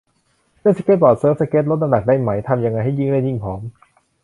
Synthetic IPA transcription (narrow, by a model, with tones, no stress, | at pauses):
nɯ˥˩˨sa˧ke˦˥t̪̚bɔː˨˩t̪̚sɤː˦˥f̚sa˧keː˦˥t̪̚lo˦˥t̪̚na˧nda˨˩k̚da˥˩jma˩˦jt̪ʰa˧mja˧ŋːa˧jɦa˥˩jɯː˥˩ŋdaː˥˩ji˥˩ŋpʰɔː˩˦m